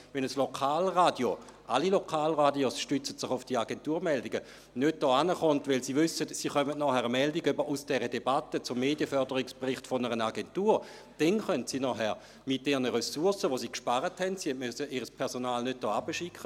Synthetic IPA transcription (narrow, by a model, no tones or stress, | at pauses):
ʋɛnəslokʰaːlʁaːdjoʔalilokʰaːlʁadiosʃtʏt͡sə̥tsɪχʊfd̥iaɡentuːɐmɛldiɡə | nød̚d̥ɔːanəχɔntʋɪlsiːʋʏsətsiːχœmətnɔhɛʁəmɛldiɡybəʔusd̥ɛʁədebatːət͡sʊmːeːdjəfœʁdəʁɪkspʁɪχtfonəʁənaɡentuːʁ | d̥ɛnχœntsiːnɔɦɛʁ | mɪt̚d̥ɛʁnəʁesuɐsəʋosiːkʃpaʁəthɛntsihɛntmøsəʔiːʁəspʰɛɐsonaːlnød̚d̥ɔːabəʃikχə